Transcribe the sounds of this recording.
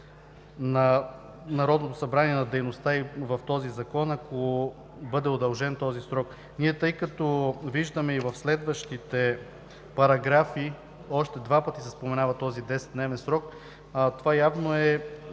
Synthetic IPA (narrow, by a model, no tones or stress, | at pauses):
nɐ | nɐɾɔd̪not̪osɐbɾaniɛnɐd̪ɛjnost̪aivɐft̪ɔzizɐkɔnɐko | bɤd̪ɛod̪ɐlˠʒɛnt̪ɔzisɾɔk | nʲiɛt̪ɤjkɐt̪ɔviʒd̪ɐmɛivɐfslɛd̪vɐʃt̪it̪ɛ | pɐɾɐɡɾafi | ɔʃt̪ɛd̪vapət̪isɛspomɛnavɐt̪ɔzid̪ɛsɛ̥t̪d̪nɛvɛnsɾɔk | t̪ovajavnoɛ